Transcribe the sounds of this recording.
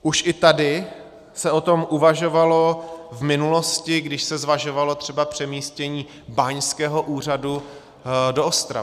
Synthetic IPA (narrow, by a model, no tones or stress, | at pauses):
ʔuʃʔɪt̪adɪ | sɛo̞t̪o̞mʔuvaʒo̞valo̞vmɪnulo̞scɪɡdɪʃsɛzvaʒo̞valo̞t̪r̝̥ɛbapr̝̥ɛmiːscɛɲiː | baɲskɛːɦo̞ʔuːr̝adu | doʔost̪ɾa